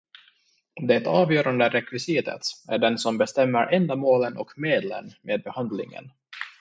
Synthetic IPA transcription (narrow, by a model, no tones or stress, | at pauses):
d̪ɛt̪ɑːvjœːɾand̪əɾɛkvɪsit̪ə̰t̪æɖɛnsɔmbɛst̪ɛmːəɾʔɛnd̪amoːlənʔɔ̰kmeːd̪lə̰nmeːd̪̚bɛhand̪lɪ̰ŋə̰n